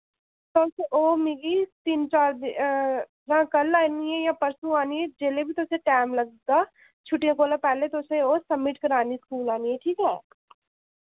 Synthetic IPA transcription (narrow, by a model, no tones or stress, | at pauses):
t̪oːseʔoːmiɡit̪int͡ʃaːɾd̪ | jãːkɐlaːniejãpəɾsuaːnied͡ʒeːlebʱit̪oːsẽʈɛːmlɐɡ̚d̪aː | t͡ʃʰʊʈijãkoːlapɛːlet̪oːseoːsɐmːɪʈkɐɾaːniskuːlaːniɦɛ̃ʈʰiːkɦɛː